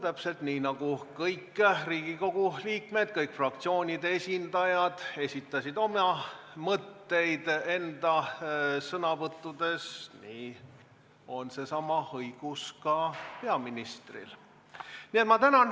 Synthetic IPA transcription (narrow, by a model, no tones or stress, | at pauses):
t̪æpse̞lt̪niːnɑɡ̥ukɤjkːriːɡ̥iko̞ɡ̥uliːkme̞d̪̚kɤjkˑfrɑk̚t̪sio̞ːnʲid̪eesʲind̪̥ɑjɑd̪̥e̞sʲit̪ˑːɑsid̪o̞mɑ | mɤt̪ːe̞jd̪̥e̞nd̪̥ɑsɤnɑvɤt̪ˑːud̪̥e̞sniː | o̞nse̞sɑmɑhɤjɡ̥uskɑpe̞ɑminist̪rḭl | niet̪mɑt̪ænɑn